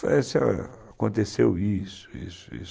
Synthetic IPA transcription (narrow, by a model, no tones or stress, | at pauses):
ɛsɔ̰akõnt̪esewisʊ̥ḭsʊḭs